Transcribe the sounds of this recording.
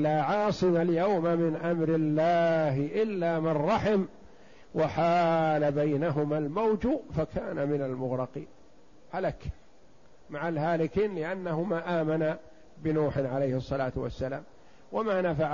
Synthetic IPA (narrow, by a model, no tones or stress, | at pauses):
laːʕɑːsˤɨmaljawmamɪnʔamɾɪlːaːɦɪʔɪlːaːmɪrˤːɑħɪm | waħaːlabajnaɦʊmalmawd͡ʒufakʰaːnamɪnalmʊɣɾɑqiːn | halak | maʕalhaːlɪkiːnlɪʔanːahʊmaːʔaːmana | bɪnuːħɪnʕalejhɨsˤːɑlaːt̪wa̰sːala̰ːm | wamaːnafaʕ